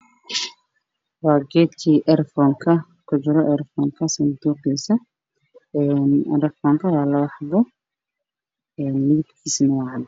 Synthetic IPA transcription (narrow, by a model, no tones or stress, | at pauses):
wɑːɡɛd̪kʰiːʔɛrfɔːŋkʰɐ | kʰʊd͡ʒɪɾɔʔɛɾfɔːŋkʰɐsɐd̪uːqɛsɐ | ɛnɛɾfɔŋkʰɐwɑːlɐwɑħd̪ɔ | ɛːnliːɡkisnwɑʕd̪